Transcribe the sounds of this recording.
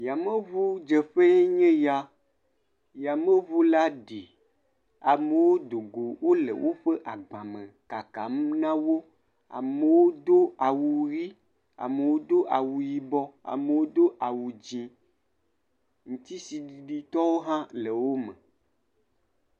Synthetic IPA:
ja˨mẽ˦βu˦d͡ʒe˨ɸe˦ɲẽ˦ja˦ | ja˨me˦βu˦la˦ɖi˨ | a˨me˨wo˦d̪o˨ɡo˨wo˦lḛ˨wʔo˦ɸe˦ʔa˨ɡ͡bã˨mẽ˨ka˨ka̰˨m˦nã˦wo˦ | a̰˨me˨wo˦d̪o˦a˨wu˨ɾi˦ | a̰˨me˨wo˦d̪o˦ʔa˨wu˨ji˨bɔ˦a̰˨me˨wo˦d̪o˦ʔa˨wu˨d͡ʑĩ˨ | ŋũ˨t̪i˦si˨ɖi˨ɖi˦t̪ɔ˦wo˦ɦã˦le˨wo˦mḛ̃˨

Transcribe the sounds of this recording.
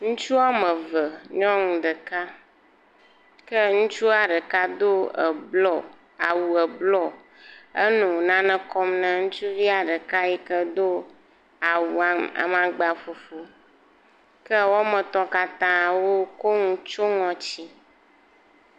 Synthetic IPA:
ŋũ˦t͡ʃu˦a˦mə̃˨və˨ɲɔ̃˦ŋũ˨ɖə˨ka˦ | kə˦ŋũ˦t͡ʃu˦a˨ɖə˨ka˦d̪o˦˨bɔ˦˨ | a˨wu˨ə˨blɔ˦ | ə˦nũ˨nã˦nə̃˦kɔ˦mnə̃˨ŋũ˦t͡ʃu˦vi˦a˨ɖə˨ka˦ɛ˦kə˦d̪o˦ | a˨wu˨a˨a̰˨mã˨ɡ͡ba˨fo˨fo˦ | kə˦wɔ˦mə̃˨t̪ɔ˦ka˨t̪ã˦˨wo˦ko˦ŋũ˦t͡ʃo˦ŋɔ̃˨t͡ɕi˦

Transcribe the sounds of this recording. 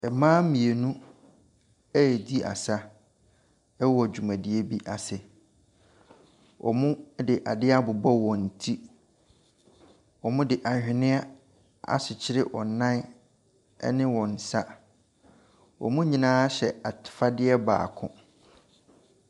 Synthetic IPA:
ɛ˨mãː˦mĩ˨e˨nũ˦ | ɛ˦˨di˦a̰˨sa˦ | ɛ˦wɔ˨æ˨d͡ʑᶣu˨mã˨di˨e˦bi˦ʔa˨sɪ˨ | wʔɔ̰˨mũ˦dɪ˨ʔa˨dɪ˦a˦bʊ˨bɔ˦wɔ̃˨n̩˨tʰi˦ | wɔ˨mʊ̃˦dɪ˨ʔa˨hᶣɪ˨nɪ̃˦a˦ | a̰˨ɕɪ˨t͡ɕʰɪ˦ɾɪ˦ʔɔ˨nã˦n˦ | ɛ̰˦nɪ̃˦wɔ̃˨n̩˨sa˦ | wɔ̰˨mũ˦ɲĩ˨nãː˦ɕɛ˨a˨tʰɪ̥˨fa˦dɪ˦ɛ˦ba̰ː˨kʰʊ̰̃˦

